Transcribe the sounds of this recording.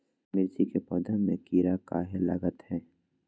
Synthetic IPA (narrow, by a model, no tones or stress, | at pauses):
mɪɾd͡ʒikepɔːd̪ənmẽkiːɾakaːɦelɐ̰ɡət̪hɛː